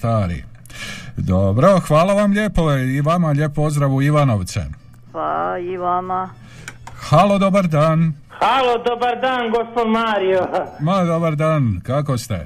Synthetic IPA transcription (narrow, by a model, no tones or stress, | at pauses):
st̪aːɾḭ | d̪obɾo̞xʋaːlaʋamʎe̞poeiʋamaʎe̞poozd̪ɾaʋuiʋano̞ʋt̪sḛ | paiʋama | xalo̞d̪o̞baɾd̪aːn | xalod̪obaɾd̪aːnɡospod̪maːɾiomad̪o̞baɾd̪aːnkako̞st̪e̞̰